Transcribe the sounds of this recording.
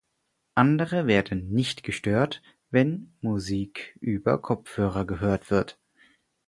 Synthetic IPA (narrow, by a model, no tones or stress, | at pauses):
ʔandəʁəveːɐdn̩nɪçtɡ̥əʃtøːɐt | vɛnmuziːkʔyːbɐ̰kʰɔp͡fhøːʁɐɡəɦøːɐtv̥ɪɐt